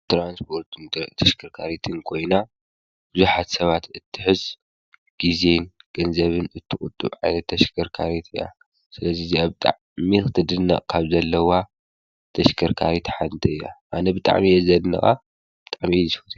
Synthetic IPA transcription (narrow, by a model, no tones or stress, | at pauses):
t̪ɾanspʰo̞ɾt̪ʰɨnt̪ʰɐʃkʰɐɾkʰaɾit̪ʰɨnkʰo̞jna | b̥ɨzuħat̪sɐβat̪ɨt̪ʰːɨħɨz | ɡ̥izenɡ̥ɐnzɐβɨnɨt̪ʰːɨkʼʊt̪ʼːṵβʕa̰jnɐt̪ʰːɐʃkʰɐɾkʰaɾit̪ʰɨjːa̰ | sɨlɐziziaβt̪ʼaʕ | mikɨt̪ʰɨd̪ɨnːa̰ʔkʰaβzɐlːɐwa | t̪ʰɐʃkʰɐɾkʰaɾit̪ħant̪ʰɐɨjːa̰ʔanɐbɨt̪ʼa̰ʕmijɛzɐdnɐ̰xʼa | b̥ɨt̪ʼaʕmijɛfɨt̪ʰ